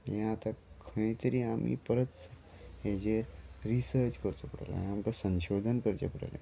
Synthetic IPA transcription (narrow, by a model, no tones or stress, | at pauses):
jãat̪akʰəɽ̃ẽt̪əɾiːamḭpəɾət̪s | ɦed͡ʑeɾisəɾt͡ɕkəɾt͡səpəɽa̰la̰amkasə̃nɕod̪ʱənkəɾt͡ɕḛpəɽa̰lḛ